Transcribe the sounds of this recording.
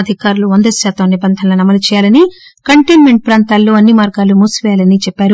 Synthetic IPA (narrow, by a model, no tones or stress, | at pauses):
ɐd̪ʱikaːɾuluɐnd̪ɐsaːt̪ɐmnibɐnd̪ʱɐnlɐnɐmːɐlut͡ʃɛːjaːlɐni | kɐɳʈeːnme̞ɳʈ̚pɾaːnt̪aːlːuːɐnːimaːɾɡaːlumuːsʋɛːjaːlɐnit͡ʃɛpːaːɾu